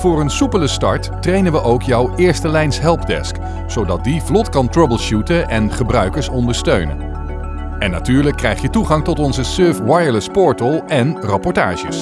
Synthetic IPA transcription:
v̥ʊːrənsupələstɑ̰ɹttrejnənʋəʔowkjɔwɪːɹstəlɛjnsɦɛlˠpdɛ̰sk | sowdɑt̚divlɔtkɑntrɔbəlˠʃutəʔɛnχəbrœɥkəɹsɔndəɹstøɥnə̰ | ɛnːa̰tyːɹləkːrɛjχjətuχɑŋtɔtɔnzəsøɹfwajəɹləspɔɹtəlˠɛnrɑpɔɹta̰ːʒə̰s

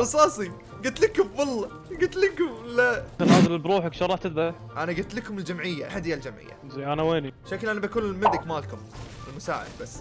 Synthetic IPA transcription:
ɾɑsˤɑːsˤi | ɡʊt̪lɪkʊmbɑlˤːɑ | ɡʊt̪lɪkʊmlat̪anaːzɪlɪlbɾuːħakʃɑɾˤːɑːħt̪ɪd̪a | ʔanaɡʊt̪lɪkʊmɪld͡ʒamʕɪjːa̰ħad̪ɪjːald͡ʒamʕɪ̰jːa̰zajʔanaweːniʃaklʔanabakuːnɪlmɪd̪ɪkmaːlkʊmɪlmʊsa̰ːʕɪ̰d̪basː

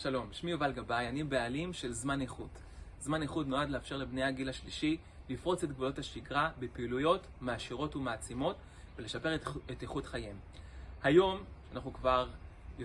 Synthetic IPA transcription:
ʃalo̞mʃmiovalɡabajanibealimʃe̞lzmaneχut | zmaneχudnoadleafʃe̞ʁlebnejhaɡilhaʃliʃi | lifʁo̞t͡setɡvulo̞thaʃiɡʁabepiːlujo̞t | maːʃiʁo̞tumaːt͡simo̞t | vele̞ʃape̞ʁeteχutχajem | hajo̞mʃeanaχnukvaʁ | jo

